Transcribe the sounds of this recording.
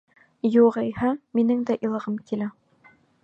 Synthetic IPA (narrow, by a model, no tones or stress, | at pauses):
juʁɘjhæminɘŋd̪æʔĭlˠɤ̆ʁɤmkilæ